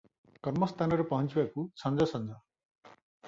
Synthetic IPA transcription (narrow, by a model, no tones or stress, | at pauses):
kʌɾmʌst̪ʰanʌɾepʌɦʌnt͡ʃibakusʌnd͡zʌsʌnd͡zʌ